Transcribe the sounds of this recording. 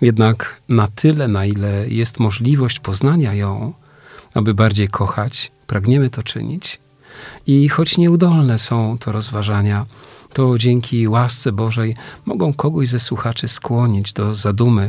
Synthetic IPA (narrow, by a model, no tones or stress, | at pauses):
jɛd̪naknat̪ʰɘlɛnailɛjɛst̪mɔʐlʲivɔɕt͡ɕpɔznaɲajɔ̃w̃ | abɘbaɾd͡ʑejkʰɔxat͡ɕpɾaɡɲɛmɘt̪ɔt͡ʂɘ̰ɲḭt͡ɕ | ixɔt͡ɕɲɛud̪ɔlnɛsɔ̃w̃t̪ʰɔɾɔzvaʐaɲat̪ɔd͡ʑɛŋʲkʲʰiwast̪sɛbɔʐɛjmɔ̰ɡɔ̃w̃kɔɡɔʑzɛswuxat͡ʂɘskwɔɲid͡ʑd̪ɔzad̪umɘ